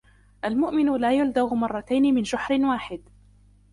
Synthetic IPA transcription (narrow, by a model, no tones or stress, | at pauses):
ʔalmʊʔmɪnʊlaːjʊld̪aɣmɑrˤːɑt̪ajnɪmɪnʃʊħɾɪnwaːħɪd̪